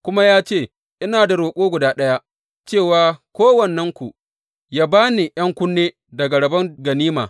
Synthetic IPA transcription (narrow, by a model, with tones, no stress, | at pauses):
kʷʊ˦ma˦jaː˦t͡ʃeː˦˨ | ʔɪ˦naː˨da˨ɽoː˨kʷʼoː˦ɡʷʊ˨daː˦ɗɐ˦ja˦ | t͡ʃeː˦˨waː˨kʷoː˦wɐ˨nːɐ˦ŋkʷu˨ | jaː˦baː˦ni˨j̰ɐ˦ŋkʷʊ˦nːeː˦ | dɐ˨ɡa˨ɽɐ˨bɐ˦ŋɡɐ˨niː˦maː˨